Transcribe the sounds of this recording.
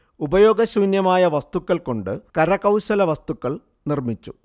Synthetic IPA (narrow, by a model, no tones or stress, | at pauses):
ubɐjo̞ːɡɐɕuːnjɐmaːjɐʋɐst̪ukːɐɭko̞ɳɖɨkɐɾɐkɐwɕɐlɐʋɐst̪ukːɐɭ | nirmit͡ɕːu